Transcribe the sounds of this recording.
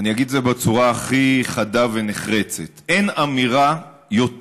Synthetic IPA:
anijaɡid̪zebet͡suʁaːχiχadave̞neχʁe̞t͡setenamiʁa | jo̞t

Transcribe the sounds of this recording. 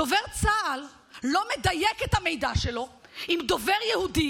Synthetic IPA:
oveʁt͡saːlː | o̞med̪ajeket̪hamejd̪aʃelo̞imd̪o̞veʁjehudi

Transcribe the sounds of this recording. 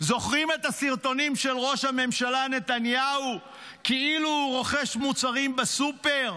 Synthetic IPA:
zo̞χʁime̞t̪asiʁt̪o̞nimʃe̞lʁo̞ʃhame̞mʃalane̞t̪anjau | keiluʁo̞χeʃmut͡saʁimbesupe̞ʁ

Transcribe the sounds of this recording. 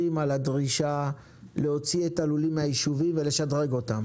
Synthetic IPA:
imaladʁiʃa | leo̞t͡sietalulimhajiʃuvimve̞le̞ʃadʁe̞ɡo̞tam

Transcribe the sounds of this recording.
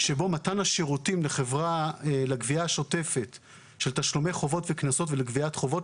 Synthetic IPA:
ʃe̞bo̞matanaʃeʁutimleχe̞vʁalaɡviaʃo̞te̞fe̞t | ʃeltaʃlome̞jχo̞vo̞tveknaso̞tveleɡviatχo̞vo̞t

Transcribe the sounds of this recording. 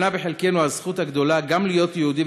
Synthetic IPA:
nabeħelkenuhazχut̪haɡd̪o̞laɡamlijo̞t̪jehuːd̪i

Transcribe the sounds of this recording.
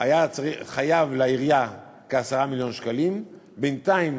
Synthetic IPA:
ajat͡siχajavlaiʁja | keasaʁamiljo̞nʃkalim | bent̪aim

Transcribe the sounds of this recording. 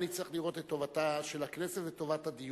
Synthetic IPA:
nit̪t͡siχliʁo̞t̪et̪ːo̞vataʃelaknesetveto̞vat̪had̪ij

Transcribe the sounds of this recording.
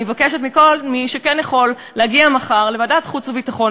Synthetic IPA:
ivakeʃet̪miko̞lmiʃekɛnjaχo̞lːeaɡiamaχaʁlevadat̪χut͡suvitaχo̞n

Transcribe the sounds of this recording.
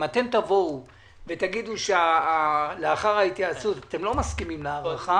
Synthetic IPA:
mat̪e̞mt̪avo̞u | ve̞t̪aɡid̪uʃeaaleaχaʁait̪jaːt͡sut̪at̪e̞mlo̞maskimimleaʁaχa

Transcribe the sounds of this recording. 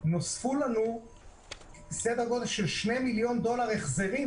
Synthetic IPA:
nosfulanu | sed̪haɡo̞d̪elʃelʃne̞miljo̞nd̪o̞laʁeχzeʁi

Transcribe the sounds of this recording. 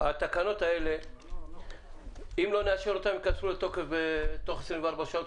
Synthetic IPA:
at̪akano̞t̪ae̞le̞ | imlo̞neaʃeɾot̪ametkat̪fulet̪o̞kefbet̪o̞χesɾind̪vaɾbaʃaot̪

